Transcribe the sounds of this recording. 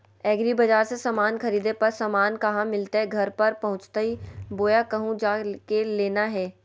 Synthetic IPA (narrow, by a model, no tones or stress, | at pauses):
ɛːɡɾibɐd͡ʒaːɾsesamaːnxɐɾiːd̪epɐɾsaːmaːnkɐɦãmɪlt̪eɦɛɡʱɐɾpɐɾpɐɦʊ̃t͡ʃt̪aɦiboːjakɐɦũd͡ʒaːkeleːnaɦɛː